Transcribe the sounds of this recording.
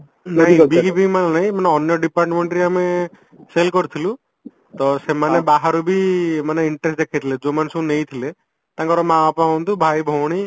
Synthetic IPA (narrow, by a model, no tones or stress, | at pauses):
naɦĩbiɡibimannaɦĩmaneɔnjɔɖipaɾʈmeɳʈɾiame | selkɔɾut̪ʰilũ | t̪ɔsemanebaɦaɾubʱimaneiɳʈɾesʈd̪ekʰat̪ʰiled͡ʒomaneseũnejt̪ʰile | t̪ãkɔɾɔmãapaɔ̃nt̪ubʱajbʱɔwɽ̃i